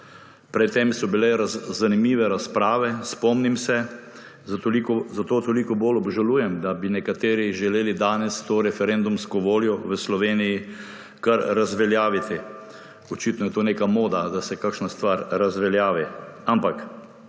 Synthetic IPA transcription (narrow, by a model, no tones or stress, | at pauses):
pɾɛt̪ːemsɔbilɛzanimiːʋɛɾaspɾaːʋɛspɔmnimsɛ | ikzat̪oːt̪olikɔboːlɔbʒaluːjɛmd̪abinɛkat̪eːɾiʒɛleːlid̪aːnɛst̪oːɾɛfɛɾɛnd̪umskɔʋoːljɔʋəslɔʋeːniji | kaɾːazʋɛljaːʋit̪i | ɔt͡ʃit̪nɔjɛt̪oːneːkamoːd̪ad̪asɛkakʃnast̪ʋaːɾɾazʋɛljaːʋiampak